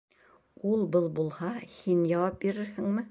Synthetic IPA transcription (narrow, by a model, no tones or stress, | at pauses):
ulˠbɤlˠbulˠhɑhinjɑwɑp̚biɾɘɾhɘŋmɘ